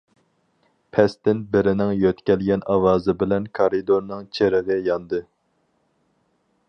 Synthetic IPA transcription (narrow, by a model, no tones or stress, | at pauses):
pʰɛst̪ɪnbɪɾɪnɪŋjøt̪kʲɛlɡʲɛnɑwɑːzɨbɪlɛnkʰɑɾɨd̪oɾnɨŋt͡ʃʰeɾɪʁɨjɑnd̪ɨ